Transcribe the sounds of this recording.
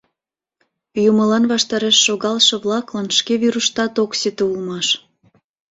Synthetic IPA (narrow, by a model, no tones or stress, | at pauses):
juməlɑnβɑʃt̪ɑɾeʃːoɣɑlʃɤ̆βlɑklɑnʃkeβiɾuʃt̪ɑt̪oksit̪eulmɑʃ